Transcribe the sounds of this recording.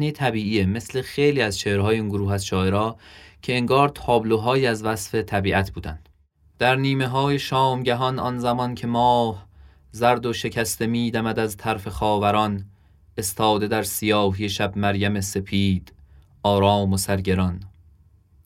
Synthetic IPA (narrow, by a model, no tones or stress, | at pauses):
nit̪ʰæbiːʔieme̞sle̞xejliːæzt͡ʃʰehɾɦɒːjeiːnɡoɾuːɦæsʃɒːeɾɒːcʰe̞ːŋɡɒːɾt̪ʰɒːbloɦɒːjiːæzvæsfe̞t̪ʰæbiːʔæt̪ʰb̥uːd̪ænd̪̥ | d̪̥æɾniːme̞ɦɒːje̞ʃɒːmɟæɦɒnɒ̰nzæmɒncʰe̞mɒːh | zæɾd̪o̞ʃe̞cʰæst̪e̞miːd̪æmæd̪æzt̪ʰæɾfe̞xɒːvæɾɒn | e̞st̪ʰɒːd̪e̞d̪æɾsijɒːɦijeʃæbmæɾjæme̞se̞pʰiːd̪̥ | ʔɒːɾɒːmosæɾɟe̞ɾɒn